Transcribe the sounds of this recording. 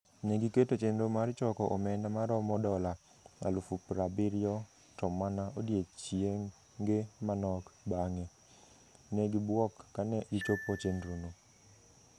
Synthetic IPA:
neɡiketot͡ʃendomart͡ʃɔkɔʔɔmɛndamaɾɔmɔdɔla | a̰lufupɾabɪɾɪɔ | tɔmanaʔodjet͡ʃje | ŋɡemanɔkbaŋe | neɡibwɔkːanɛɡit͡ʃopot͡ʃendɾono

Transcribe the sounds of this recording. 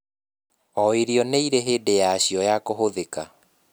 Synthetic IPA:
ɔeɾjɔneiɾeɦeːdejaːɕjɔjakoɦoðeka

